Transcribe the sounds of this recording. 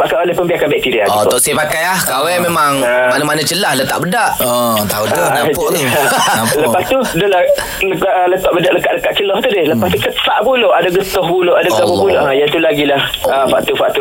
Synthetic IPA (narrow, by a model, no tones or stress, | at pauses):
pakajolɛhpəmbiakanbɛk̚t̪iɾiadut̪ɔʔsepakajahkawɛmemaŋamanəmanət͡ʃəlahlət̪a̰ʔbədaʔt̪audait̪u | ləpast̪udəla | ləkaʔlət̪aʔbədaʔləkaʔləkaʔt͡ʃəlɔht̪udɪləpast̪ukəsaʔpuloʔadaɡət̪ɔhpuloʔadaɡət̪ɔpɔpuloʔajait̪ulaɡilahəfaʔt̪ufaʔt̪u